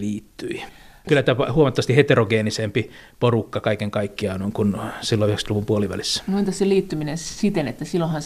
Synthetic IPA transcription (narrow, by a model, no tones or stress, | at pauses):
liːt̪ːyikylːˑæt̪æpɑhuomɑt̪ːɑʋɑst̪ihet̪eroɡeːnisempi | porukːɑkɑikeŋkɑikːiɑnoiŋkunsilːoyhekst̪luʋumpuoliʋæ̰lisːæ̥muint̪ɑsseliːt̪ːyminensit̪enet̪ːæsilːõhɑn